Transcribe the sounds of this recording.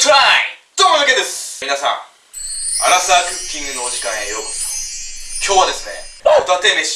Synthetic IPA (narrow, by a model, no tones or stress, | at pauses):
tʰɾajd̪̥omoɾɯked̪esminasã̰ŋ | aɾasakɯkʲːĩŋɡɯnoːd͡ʑikãejoɾokodt̪ʰo̥kʲjoad̪e̞sɨnḛod̪at̪emeɕ